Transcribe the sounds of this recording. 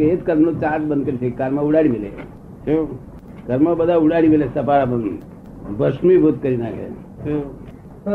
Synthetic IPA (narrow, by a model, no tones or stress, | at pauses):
et̪kəɾmnot͡ʃaːʈbənd̪kəɾisekaɾməuɽaɽimilḛ | t͡ʃʰo | kəɾməbəd̪ʱauɽaɽimilesɐpaɾabən | bəsmibʱot̪̚kəɾinaːkʰḛ | t͡ʃo